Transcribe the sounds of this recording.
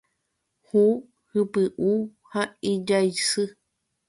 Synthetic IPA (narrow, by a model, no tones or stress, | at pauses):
hu | hɨpɨʔuhãid͡ʒaisɨ